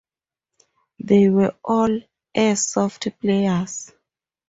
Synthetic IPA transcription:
ðewɛʔɔl | ɛsɔftplejas

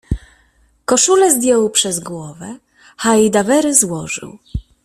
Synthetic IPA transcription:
kɔʂulɛzd̪ʲjɔwpʂɛzɡwɔvɛ | xajd̪avɛɾɘzwɔʐɘ̰w

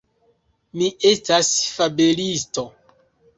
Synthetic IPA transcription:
miʔestasfabelisto

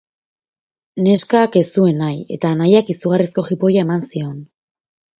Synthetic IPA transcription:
ne̞skake̞sue̞naje̞̰t̪aːnajakisuɣ̞arisko̞xipo̞jae̞mansio̞n

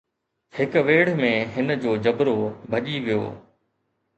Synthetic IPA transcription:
hɪkʋeːɽ̤mẽɦɪnəd͡ʑoːd͡ʑɐbɾobʱɐʄiʋijo̰ː

